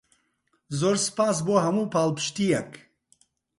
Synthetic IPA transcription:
zoɾspaːs̬boɦɐmuːpaːlpʃt̪ijɐk

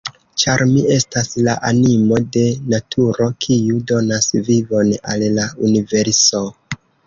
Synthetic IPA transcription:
t͡ʃaɾmie̞staslaʔanimo̞de̞natʰuɾo̞kʰiudo̞nasvivo̞na̰llaunive̞ɾso̞

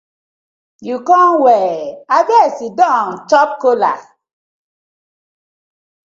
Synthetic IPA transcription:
jukɔ̃nwɛaɡɛsidɔ̃ŋtɔp̚kola̰

